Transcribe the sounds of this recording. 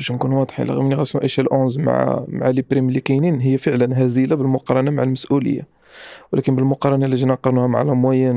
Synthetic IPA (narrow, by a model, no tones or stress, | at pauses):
bæʃnkunwɑd̪ˤħḭlɑ̰ɣimniɣæsuʔiʃælʔõnzma̰ʕa̰maʕalipɾimlikininɦəjːæfəʕlənɦæzilabəlmʊqɑɾˤɑnamaʕalməsʔulə̰jːa̰ | wlʔækənbəlmʊqɑɾˤɑnaliʒnɑqɑɾˤnuhæmaʕlæmwæjæn